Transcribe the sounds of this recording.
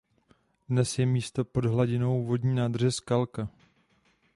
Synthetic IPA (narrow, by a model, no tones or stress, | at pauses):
dnɛsjɛmiːst̪o̞po̞dɦlaɟɪno̞wvo̞dɲiːnaːd̪rɛskalka